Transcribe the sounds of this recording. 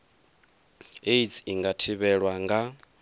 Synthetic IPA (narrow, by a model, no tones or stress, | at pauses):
eisiŋɡatʰiβɛɺwaŋɡa